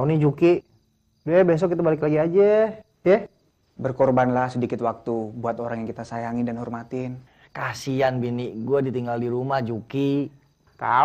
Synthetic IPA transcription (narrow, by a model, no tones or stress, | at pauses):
unid͡ʒukiʔ | bɛbes̬ɔk̬ːit̪abalɪk̬laɡiad͡ʒa | ɛh | bərkɔrbanlahsədikɪt̪wak̚t̪ubuat̪oɾaŋjaŋkit̪asajaŋɪdanɦɔrmat̪ɪn | kasianbiniʔɡuadit̪iŋɡaldiɾumahd͡ʒuki | t̪a̰